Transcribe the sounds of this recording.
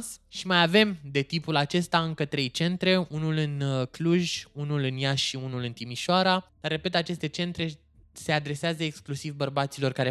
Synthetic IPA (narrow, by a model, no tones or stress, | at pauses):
sʃimajave̞md̪e̞t̪ipulat͡ʃe̞st̪aɨŋkət̪ɾe̞jt͡ʃe̞nt̪ɾe̞unulɨnkluʒʲunulɨnjaʃʃiunulɨnt̪imiʃoaɾad̪̥arːe̞pe̞t̪at͡ʃe̞st̪e̞t͡ʃe̞nt̪ɾe̞ | se̞ad̪ɾe̞seazəeksklusivbərbat̪silo̞rkaɾe